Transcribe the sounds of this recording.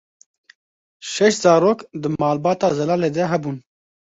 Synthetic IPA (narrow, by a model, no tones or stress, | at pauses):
ʃɛʃt̪zɑːɾoːkd̪ɨmɑːlbɑːt̪ɑːzɛlaːleːd̪ɛɦɛbuːn